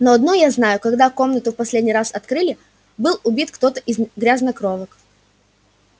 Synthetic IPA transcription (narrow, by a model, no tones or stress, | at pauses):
noɐd̪nujaznajʊkɐɡd̪ako̞mnət̪ʊfpɐsʲlʲedʲnʲɪjɾasɐt̪kɾɨlʲɪ | bɨlˠʊbʲit̪kt̪o̞t̪əʔɪzɡɾʲaznɐkɾovək